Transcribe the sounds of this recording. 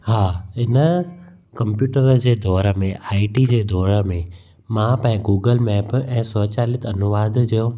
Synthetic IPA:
hãːɪnə | kə̃mpjuːʈəɾd͡ʑeːd̪ʱɔːɾəmẽʔaːiʈid͡ʑeːd̪ʱɔːɾəmẽ | mãpãɪ̃ɡuːɡəlmɛːpɛ̃ːsɔt͡ɕaːlɪt̪ʰɐnʊʋaːd̪ʱd͡ʑɐjõː

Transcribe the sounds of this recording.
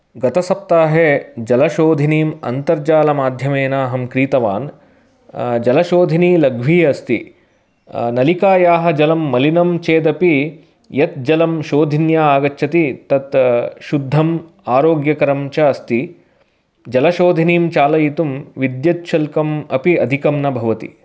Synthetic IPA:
ɡɐt̪ɐsɐp̚t̪aːɦed͡ʒɐlɐʃoːd̪ʱiniːmɐ̰nt̪ɐɾd͡ʒaːlɐmaːd̪ʱjɐmeːnaːɦɐmkɾiːt̪ɐʋa̰ːn | d͡ʒɐlɐʃoːd̪ʱiniːlɐɡʱʋiːɐst̪ḭ | nɐlikaːjaːɦɐ̆d͡ʒɐlɐmːɐlinɐmt͡ʃeːd̪ɐpi | jɐt̪̚d͡ʒɐlɐmʃoːd̪ʱinjaːaːɡɐtːʃʰɐt̪it̪ɐt̪ʃud̪ʱːɐm | aːɾoːɡjɐkɐɾɐmt͡ʃɐɐst̪i | d͡ʒɐlɐʃoːd̪ʱiniːmt͡ʃaːlɐjit̪umʋid̪jɐtʃʰɐlkɐmɐpiɐd̪ʱikɐmnɐbʱɐʋɐt̪ḭ

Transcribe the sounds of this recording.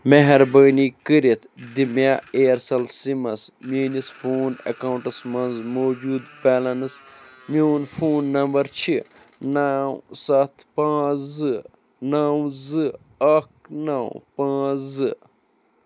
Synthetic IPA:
meɦɐɾbəːniːkɨɾit̪ʰd̪imjaːeːɾsɐlsimɐsmiːnisfʰoːnɐ̰kaːwɳʈɐsmɐnzmoːd͡ʒuːd̪̚bɛːlɐnɨsmoːnfʰoːnːɐmbɐɾt͡ʃʰi | naːwsɐt̪ʰpãːzzɨ | naːwzɨ | ɐk̚naːwpãːzɨ

